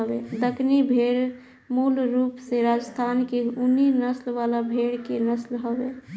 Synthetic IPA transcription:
bed̪əknibʱeɽ | mulɾuːpseɾad͡ʒəst̪ʰankeuninəslʋalabʱeɽkenəslɦobe

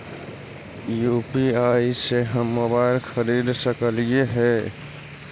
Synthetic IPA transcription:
jupiaːiseɦəmːobaːɪlxəɾid̪səkəlijeɦɛː

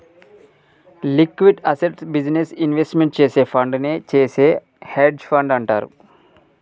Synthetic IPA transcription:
likːʋiɖɐseʈsbid͡ʒnesinʋesʈmeɳʈ̚t͡ʃeːseːpʰɐɳɖnet͡ʃeːseː | heːɖspʰɐɳɖɐɳʈa̰ːɾṵ

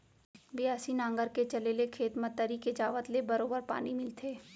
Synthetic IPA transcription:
bɪjaːsinãːŋɡəɾket͡ʃɐlelekʰeːt̪mət̪ːəɾiked͡ʒaːʋət̪lebɐɾoːbəɾpa̰ːnimɪlt̪ʰeː

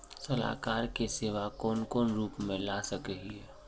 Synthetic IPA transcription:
sɐla̰ːkaːɾkeseːʋakɔːnkɔːnɾuːpmẽlaːsɐkəɦiɦɛː

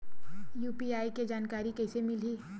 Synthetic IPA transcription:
juːpiaːiked͡ʒaːnkaːɾikɛːsemɪliː

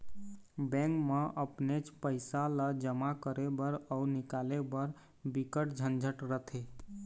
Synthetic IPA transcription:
bɛ̃ŋkmeʔəpnet͡ʃpəɪsaləd͡ʒəmakəɾebəɾɔunikalebəɾ | bikəʈd͡ʒʱənd͡ʒʱəʈɾət̪ʰe

